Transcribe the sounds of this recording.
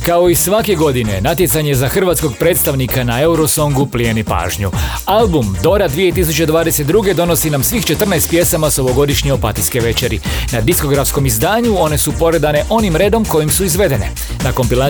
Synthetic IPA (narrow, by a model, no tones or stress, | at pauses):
kao̞isʋake̞ɡo̞d̪ine̞̰nat̪je̞t̪saɲe̞zaxr̩ʋaːt̪sko̞ɡ̚pɾet̪st̪aʋnikanae̞uɾo̞so̞ŋɡuplienipa̰ːʒɲu | albumd̪o̞ɾad̪ʋije̞t̪is̬ut͡ɕe̞d̪ʋaːd̪eset̪̚d̪ɾuːɡe̞d̪o̞no̞sinamsʋiːxt͡ʃe̞t̪r̩najst̪̚pje̞samaso̞ʋo̞ɡo̞d̪iʃɲeopa̰t̪iske̞ʋe̞t͡ʃeɾinad̪isko̞ɡɾafsko̞mizd̪aːɲuo̞ne̞supo̞ɾe̞d̪ane̞ʔo̞nimɾe̞ːd̪o̞mko̞jimsuizʋe̞d̪e̞nḛ | nako̞mpila